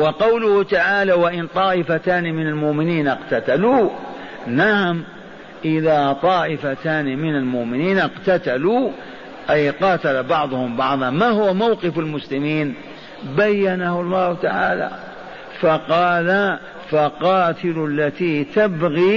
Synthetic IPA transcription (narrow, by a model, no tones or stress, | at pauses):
wɑqɑwlʊht̪aʕaːlawaʔɪnt̪ˤɑːʔɪfat̪aːnmɪnalmʊʔmɪniːnɪqt̪at̪alu | naʕm | ʔɪðat̪ˤɑːʔɪfat̪aːnimɪnalmʊʔmɪniːnɪqt̪at̪alu | ʔajqɑːt̪alabɑʕðˤʊhʊmbɑʕðˤɑmaːhʊwamawqɪfalmʊslɪmiːn | bajːanahʊlˤːɑːht̪aʕa̰ːla̰ | fɑqɑːla | fɑqɑːt̪ɪlalːat̪iːt̪abɣi